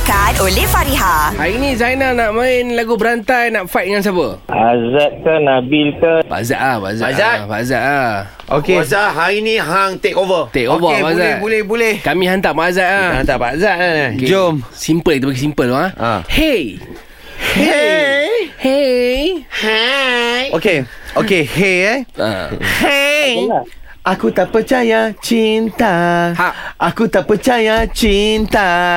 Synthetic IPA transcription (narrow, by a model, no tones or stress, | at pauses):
kanolefaɾiɦahainĩzajnanaʔmãɪnlaɡubəɾant̪ajnaʔfajt̚dəŋans̬apəazat̪̚kanabilkaba̰ʔza̰ʔlaba̰azazabaazat̪̚a | okezaɦainiɦaŋt̪ekovət̪ekovəpazaɛt̪̚bolɛhbolɛhkamĩɦant̪aʔbaazat̪̚lahant̪abazaʔ̚land͡ʒomsimpəlkit̪ubaɡisimpəldɔaã̰he | he | he | h | oke | okeheea̰h | a | ʔakut̪aʔpət͡ʃajat͡ʃint̪ahaakut̪aʔpət͡ʃajat͡ʃint̪a